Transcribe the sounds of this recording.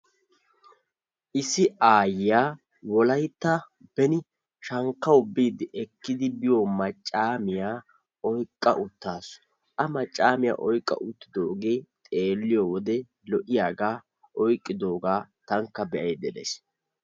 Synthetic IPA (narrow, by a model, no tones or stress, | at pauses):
ʔɪsɪʔaːjɪjaː | wɔlɐjt̪ːɐ | bɛnɪ | ʃɐŋkːɐʊbːiːd̪ɪʔɛkːɪd̪ɪbɪjoːmɐt͡ʃʼːaːmɪjaː | ɔjkʼːɐ̰ʔʊt̪ːaːsɔ̥ | ʔɐmɐt͡ʃʼːaːmɪja̰ːʔɔjkʼːɐ̰ʔʊt̪ːɪd̪oːɡeːt̪ʼe̞ːlːɪjoːwɔd̪ɛ | lɔʔɪjaːɡaː | ʔɔjkʼːɪd̪o̞ːɡaːt̪ɐŋkːɐbɛʔɐjd̪ɛd̪ɛ̰s